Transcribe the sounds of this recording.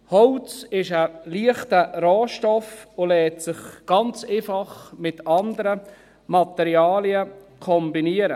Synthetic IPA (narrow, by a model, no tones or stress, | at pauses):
hɔwt͡sɪʃəliəχtəɾoːʃtɔfʊlɛːtsɪχɡ̥ɑnt͡seːfɑχmɪtɑnd̪əɾə | mɑt̪ɛɾjɑːliəkʰɔmbiniəɾə